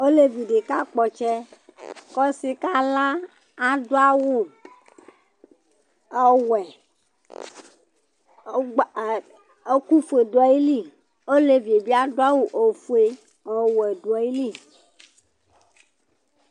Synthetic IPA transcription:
o˦le˦vi˨ɖe˨ka˦k͡pɔ˨t͡ʃɛ˦kɔ˦si˦ka˦lã˦ | a˨do˦a˦wu˦˨ | wɛ˨˦ | ku˦fe˨dɔ˨˦i˦li˦ | o˦le˦vi˨e˨bi˦a˦do˦a˦wu˨ʔo˨fu˦e˦ | ɔ˨wɛ˨do˨ɔ˨i˦li˦˨

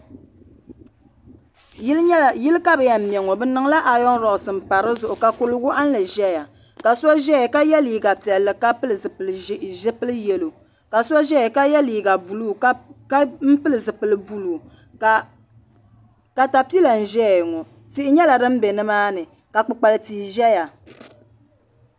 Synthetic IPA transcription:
jɪ˦lɲɛ˦˨jɪ˦lɨ˦ka˦bɛ˨ja˨m̩˨mi˨ɛ˨ŋɔ˨bɨ˦nɨ˨ŋ˦la˦ʔa˨jɔ˦ŋ˦ɾɔ˨ʔʊ˨sɨ˨m̩˨pa˨ɾɨ˦zʊ˨ʔʊ˨ka˨kʊ˦lʊ˦ɡʊ˦ʔa˦n˦lɨ˨ʒɛ˦ja˨ | ka˨sɔ˦ʒɛ˦ɛ˨ka˦jɛ˦liː˨˦ɡa˨pi˨ɛ˨lːɨ˨ka˦pɨ˦lɨ˨zɨ˨pɨ˨lʒɪ˦pɨ˦lɨ˦jɛ˨lo˨ | ka˨sɔ˦ʒɛ˦ɛ˨ka˦jɛ˦liː˨ɡa˨bu˨lu˦˨kka˦m̩˦pɨ˦lɨ˨zɨ˨pɨ˨lɨ˨bu˦lu˨ | ka˨ta˨pi˦la˨n̩˨ʒɛ˦˨ŋɔ˨ | ti˦ʔɪ˦ɲɛ˦la˨dɨ˦m̩˦bɛ˨nɨ˦maː˦nɨ˨ | ka˨k͡pɨ˨k͡pa˨lɨ˨tiː˨ʒɛ˦ja˨

